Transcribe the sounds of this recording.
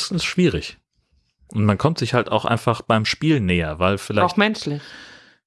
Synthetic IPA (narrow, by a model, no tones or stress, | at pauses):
stn̩sʃv̥iːʁɪç | ʔʊntmankʰɔmtz̥ɪçhalta̰ʊxʔa̰ɪnfaχb̥aɪmʃpiːlneːɐvaɪlfɪlaɪxmɛnʃlɪ